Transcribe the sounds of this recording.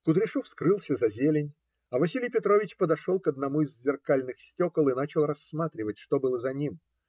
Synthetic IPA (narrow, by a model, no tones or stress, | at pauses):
kʊt̪ɾʲɪʂufskɾɨlˠsʲəzɐzʲelʲɪnʲ | ɐvɐsʲilʲɪjpʲɪt̪ɾo̞vʲɪt͡ɕpəd̪ɐʂo̞lˠkəd̪̚nɐmuɪzʲzʲɪrkalʲnɨxsʲtʲo̞kəlˠɨnat͡ɕɪlˠrɐsːmat̪ɾʲɪvət̚ʲʂt̪o̞bɨlˠəzɐnʲim